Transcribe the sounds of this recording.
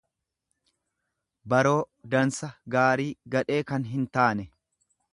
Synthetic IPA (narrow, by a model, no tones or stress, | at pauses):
bɐɾo̞ː | d̪ɐnsɐɡaːɾiːɡɐᶑe̞ːkɐnɦɪnt̪aːnɛ